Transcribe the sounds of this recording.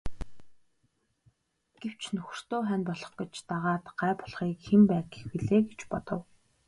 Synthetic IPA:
ɡ̥ew̥t͡ɕnɵx̆ʲr̥t̪oːχænpɔɮɞ̆χɡĕt͡ɕt̪aʁaːt̪ɢ̥æːpɔ̥ɮχiːkxempæːɡe̥xwiɮeːɡet͡ɕpɔt̪ɞ̆w

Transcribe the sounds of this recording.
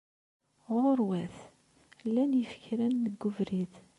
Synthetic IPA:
ʁoɾwæθ | lːænjəfə̥çɾænːəɡːʊvɾiθ

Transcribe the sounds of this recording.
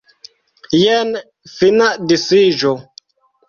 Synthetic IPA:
jɛn | finaʔdisid͡ʒo

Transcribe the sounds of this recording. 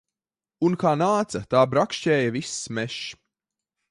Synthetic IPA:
unkaːnaːt̪sɐt̪aːbɾakʃcɛːjɐvismɛʃ

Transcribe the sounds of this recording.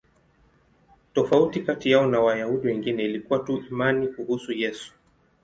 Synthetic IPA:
tɔfautikatijaɔnawajahuɗiwɛŋɡinɛilikuwatuʔimanikuhusujɛsu̥

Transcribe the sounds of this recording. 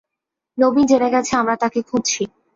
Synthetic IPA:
nobind͡ʑeneɡat͡ɕʰeamɾat̪akekʰũdt͡ɕʰi

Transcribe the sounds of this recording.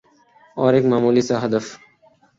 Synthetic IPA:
ɔːɾeːkmaːmuːlisaːɦəd̪əf

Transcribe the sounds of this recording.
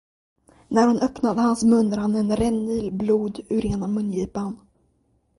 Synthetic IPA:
næɾhʊnœpnad̪əhansmɵnd̪əɾhanɛnɾɛnːiːlbluːd̪ʉɾeːnamɵnjiːpan

